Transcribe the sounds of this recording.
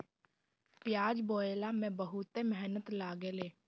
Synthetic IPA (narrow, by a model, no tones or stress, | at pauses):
pɪjaːd͡ʒboːeːlaːmɛ̃ːbəɦʊt̪emɛɦnət̪laːɡeːleː